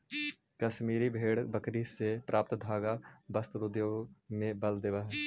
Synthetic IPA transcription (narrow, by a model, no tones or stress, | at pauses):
kɐʃmiːɾibʱeːɽbəkɾisepɾʔaːp̚t̪d̪ʱaːɡabɐst̪ɾʊd̪joːɡmẽbɐld̪eːʋəɦ